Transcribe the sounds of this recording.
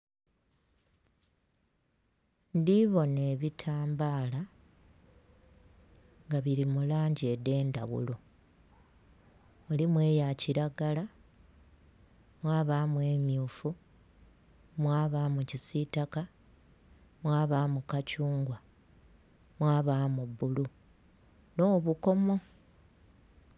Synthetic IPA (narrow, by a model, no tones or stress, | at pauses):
ndiβo̞ne̞ːβitʰaːmbaːla | ŋɡaβiɾimulaːɲɟede̞ːnda̰βṵlo̞ | mulimwe̞ːjaciɾaɡala | mwaːβaːmwe̞ːmjuːfu | mwaːβaːmucisitaka | mwaːβaːmukacuːŋɡwa | mwaːβaːmubːulu | no̞ːβuko̞mo̞